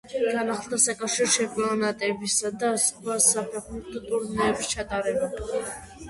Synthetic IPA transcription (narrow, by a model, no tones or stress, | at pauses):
ɡ̥anaχlˠd̪asakʼafʃiɾʃɛpʼɔɔnat̪ʼɛbisad̪aːskʰvasapʰɛχmɛt̪ʰt̪ʼuɾnɛːbist͡ʃʰat̪ʼaɾɛba